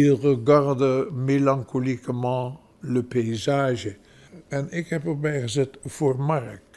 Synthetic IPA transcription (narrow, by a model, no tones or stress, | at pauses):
irəɡɑrdəmelɑ̃ŋkolikəmɑ̃ | ləpeizaːʒə | ɛnɪkɦɛpərbɛjχəzɛtv̥oːrmɑrk